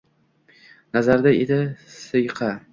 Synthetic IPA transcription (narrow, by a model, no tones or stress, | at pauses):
nazaɾd̪aed̪ɪsɨjqʰɑ